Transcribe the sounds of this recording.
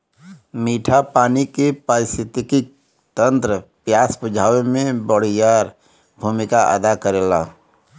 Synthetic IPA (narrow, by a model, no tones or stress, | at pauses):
miːʈʰapaːnikepaɾɪst̪ʰɪt̪ɪkɪk̚ | t̪ə̃nt̪ɾəpjaːsbʊd͡ʒʱaːʋemẽbəɽ̤ijaːɾ | bʱuːmɪkaʔə̰d̪akəɾeːlaː